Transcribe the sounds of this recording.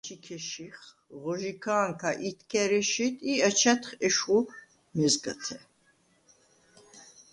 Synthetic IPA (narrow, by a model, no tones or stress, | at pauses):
t͡ʃʰikʰɛʃiχ | ʁɔʒikʰaːŋkʰaʔit̪ʰkʰɛɾiʃit̪ʼiət͡ʃʰɛt̪χɛʃχu | mɛzɡət̪ʰɛ